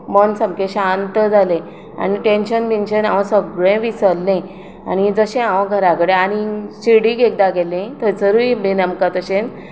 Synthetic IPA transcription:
mənsəmkẽɕant̪əd͡zʱalẽ | a̰niʈẽnɕənbinɕənãʋəsəɡɭẽʋisəlːẽ | a̰ñid͡zəɕẽãʋɡʱəɾakəɽeañiɕiɽiɡek̚d̪aɡelẽt̪ət͡səɾuibinəmkat̪əɕẽn

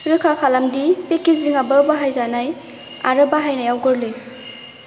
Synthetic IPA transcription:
ɾɯkʰakʰalamdipekiziŋabəbaɦajzanaj | a̰ɾɯbaɦajnajawɡɔɾle

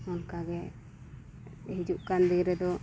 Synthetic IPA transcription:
ɔnkaɡɛ | ɦid͡ʒuʔkand̪iɡɾɛd̪ɔ

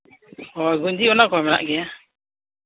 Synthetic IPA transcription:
ɔjɡuɲd͡ʒiɔnakɔmɛna̰ʔɡɛja

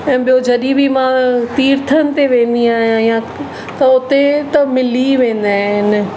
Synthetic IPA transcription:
ɛ̃ːɓijod͡ʑɐɗibʱimãt̪iːɾt̪ʰənɪ̆t̪eʋẽːnd̪iaːɦjãɦjã | t̪ɐʊt̪et̪ɐmɪliʋẽːn̆d̪aːɦɪnɪ̆

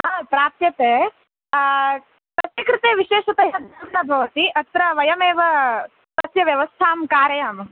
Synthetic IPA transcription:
apɾaːt̪jɐt̪eː | t̪ɐsikɾɨt̪eːʋiʃeːʃɐt̪ɐɦɐnɐmnɐbʱɐʋɐt̪iʔɐt̪ɾɐʋɐjɐmeːʋɐ | t̪ɐsjɐʋjɐʋɐst̪ʰaːmkaːɾɐjaːm

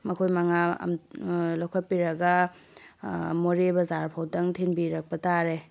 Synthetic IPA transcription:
mɐkʰojmɐŋa̰mlawkʰɐt̚piɾɐɡɐ | moɾebɐzaɾpʰawtɐŋtʰinbiɾɐk̚pɐtaɾe

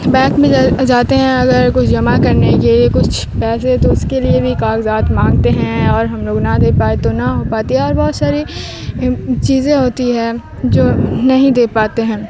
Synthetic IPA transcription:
bɛ̃ːkmẽd͡ʒaːt̪eɦɛ̃ɐɡəɾkʊt͡ʃʰd͡ʒɐmakɐɾnekeliekʊt͡ʃʰ | pɛːset̪oʊskeliebʱikaːkzaːt̪mãːŋɡt̪eɦɛ̃ɔːɾɦɐmloːɡnad̪eːpaːet̪onaɦopaːt̪iɦɛ̃ɔːɾbɔːt̪saːɾi | t͡ʃiːzẽɦoːt̪iɦɛ̃ | d͡ʒoːnɐɦĩd̪eːpaːt̪eɦɛ̃ː

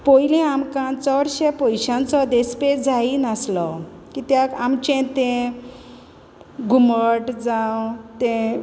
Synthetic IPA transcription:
pojlẽamkãt͡sɔɽɕepɔjɕãnt͡sɔd̪esped͡zainaslɔ | kit̪jakamt͡ɕẽt̪ẽ | ɡʱuməʈd͡zãwt̪ẽ

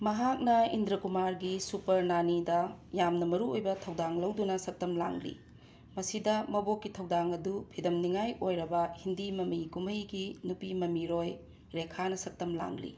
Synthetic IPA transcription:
mɐɦak̚nɐindɾɐkumaɾɡisupɐɾnanidɐjamnɐmɐɾuojbɐtʰɐwdaŋlɐwdunɐsɐp̚tɐmla̰ŋlḭ | mɐsidɐmɐbokːitʰɐwdaŋɐdupʰidɐmniŋajojɾɐbɐhindimɐmikumɐjɡinupimɐmiɾoj | ɾekʰanɐsɐp̚tɐmla̰ŋlḭ

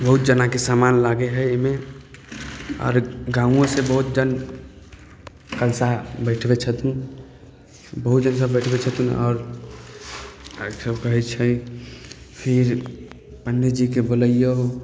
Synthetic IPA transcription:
bəɦut̪̚d͡ʒənakesamanlaɡeɦəeme | ɔ̰ːɾɡãũõsebəɦut̪̚d͡ʒən | kəlsabəɪʈʰbet͡ʃʰət̪ũn | bəɦut̪d͡ʒənsəbəɪʈʰbet͡ʃʰət̪ũnɔ̰ːɾ | səbkəɦɛt͡ʃʰə | pʰiɾ | pənːed͡ʒikeboləijəɦo

